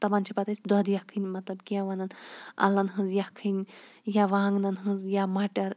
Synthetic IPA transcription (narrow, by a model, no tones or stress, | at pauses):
t̪ɐbant͡ʃʰipɐt̪asʲd̪ɔd̪jɐhkʰɨnʲmɐt̪lɐbkʲjãʋɐnɐnɐ̰lːɐnɦɨ̃nzjɐkʰɨnʲ | jaʋaːŋɡnɐnɦɨ̃zjamɐʈɐɾ